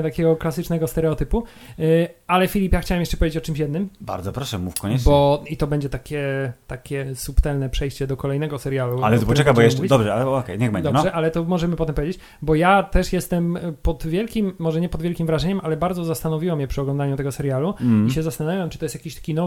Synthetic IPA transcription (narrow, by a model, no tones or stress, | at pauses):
t̪akʲɛɡɔklasɘt͡ʂnɛɡɔst̪ɛɾɛɔt̪ɘpu | alɛfʲilʲipjaxt͡ɕawamjɛʂt͡ʂɛpɔvʲed͡ʑet͡ɕɔt͡ʂɘmɕ̬jɛd̪nɘmba̰ɾd̪zɔpɾɔʂɛmufkɔɲɛbɔit̪ɔbɛɲd͡ʑɛt̪akʲɛt̪akʲɛsupt̪ɛlnɛpʂɛjɕt͡ɕɛd̪ɔkɔlɛjnɛɡɔsɛɾjalua̰lɛt̪ɔpɔt͡ʃɛkabɔjɛuɛvid̪ɔbʐɛaɔkɛ̰j̪jaɡbɛnd̪ɔʐɛʔalɛt̪ɔmɔʐɛmɘpɔt̪ɛmp̬ɔvʲjed͡ʑet͡ɕ | bɔjat̪ɛʂjɛst̪ɛmpɔd̪vʲjɛlkʲimːɔʐɛɲɛpɔd̪vʲɛlkʲimvɾaʐɛɲɛmʔalɛbaɾd̪zɔzast̪anɔvʲiwamjɛpʂɨɔɡlɔ̃nd̪aɲut̪ɛɡɔsɛɾjaluiɕɛzast̪anavʲjamt͡ʂɨt̪ɔjɛst̪jakʲiɕt̪ḁkʲinɔ